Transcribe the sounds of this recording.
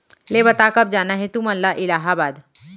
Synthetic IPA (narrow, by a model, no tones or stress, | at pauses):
lebɐt̪akɐb̚d͡ʒaːnaɦet̪umənlaʔɪlaːɦabaːd̪